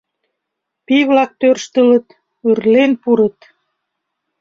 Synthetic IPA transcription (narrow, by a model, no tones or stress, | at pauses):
piβlɑk̚t̪ørʃt̪ələ̆t̪ | yrlenpuɾət̪